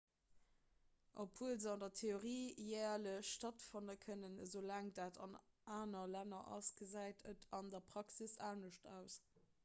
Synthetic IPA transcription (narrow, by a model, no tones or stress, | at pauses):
ʔo̰pʰuəlzəɑndɐtʰeoʁiːjɛːɐləɕʃtɑtfɑndəkʰənənzolæːŋdaːtɑ̰n | ʔaːnɐlænɐʔɑ̰sɡ̥əzæɪtʰətʰɑndɐpʁ̥ɑksisaːnəʃtʰæ̰ʊs